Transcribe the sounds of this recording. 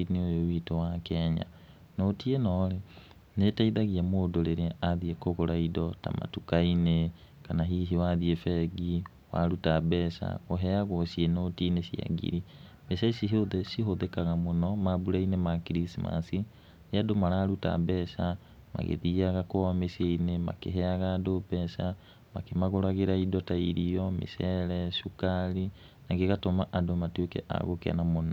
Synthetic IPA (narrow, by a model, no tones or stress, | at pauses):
neojowitowakɛɲa̰ | notienɔːɾe | netaiðaɣiamoːdoɾeɾeaðiekoɣoɾaidɔta̰ma̰tukaine | kanaɦiɦiwaðiefɛɡi | wa̰ɾutabɛsa̰ɣoɦɛaɣwɔʃienotinesia̰ɡḭɾi | mɛʃasiɦoðeʃiɦoðekaɣamonɔmabuɾainemakiɾisima̰si | neadomaɾaːɾuta̰bɛsa | ma̰ɣḛðiaɣakwɔmeseinema̰kḛɦɛaɣaːdopɛsa | makemaɣoɾaɣeɾaidɔtaiɾiɔmḛsɛɾɛʃukaɾi | naɣeɣatomaʔadomatwekɛ̰ʔa̰ɣokea̰namonɔ